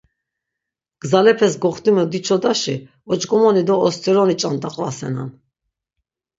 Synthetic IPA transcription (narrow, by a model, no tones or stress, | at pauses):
ɡ̥zalɛpʰɛsɡɔχt̪imɛd̪it͡ʃʰɔd̪aʃi | ɔt͡ʃʼɡɔmɔnid̪ɔːst̪ʰʼiɾɔnit͡ʃʼand̪aqʼvasɛ̰na̰n